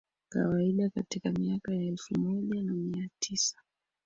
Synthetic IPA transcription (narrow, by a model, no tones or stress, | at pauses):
ka̰waiɗakatikamiakajaɛlfumɔʄanamiatʰisḁ